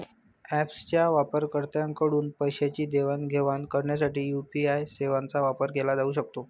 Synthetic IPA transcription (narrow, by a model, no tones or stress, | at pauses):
æpst͡ɕjaʋapəɾkəɾt̪jãŋkəɽuːnpəjɕat͡ɕiːd̪eʋanɡʱeʋankəɾɳjas̬aʈiːjupiajseʋant͡saʋapəɾɡelad͡zauːɕək̚t̪o